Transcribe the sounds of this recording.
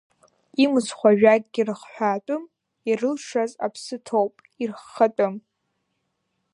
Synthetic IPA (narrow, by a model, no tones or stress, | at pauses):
imɨsχʷaʒᶣaɡʼɡʲirɨχħʷaːtʼʊm | irɨlʂaza̰pʰsɨtʰowpʼ | irχːatʼɨm